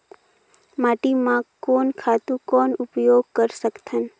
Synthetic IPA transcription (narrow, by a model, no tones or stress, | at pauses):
maːʈimãkoːnkʰaːt̪ũkɔːnʊpjoːɡ̚kəɾsəkt̪ʰən